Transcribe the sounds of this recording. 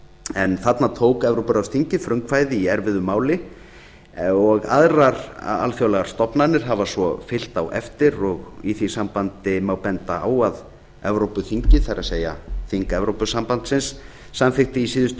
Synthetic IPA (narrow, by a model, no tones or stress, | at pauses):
ɛnθat̪nat̪ʰoːwkɛvɾowpʏɾawst̪ʰiɲcɪfɾʏŋkvajðɪiɛɾvɪðʏmaːwlɪ | ɔɣa̰ðraɾa̰lfjoːwlɛɣaɾ̥st̪ɔpnanɪɾ̥ɦavasɔfɪl̥t̪awɛ̰ft̪ɪɾɔɣiθisampant̪ɪmawpɛnt̪aa̰ːwað | ɛvɾowpʏθiɲcɪθajɾaseːja̰θiŋkɛvɾowpʏsampant̪sɪnsː | amfɪxt̪ɪisiːðʏst̪